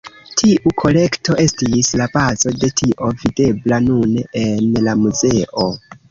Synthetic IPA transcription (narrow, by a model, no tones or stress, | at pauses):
tʰiʔukʰo̞le̞kto̞ʔe̞stislabazo̞de̞tʰiʔo̞vide̞blanunenlamuze̞ʔo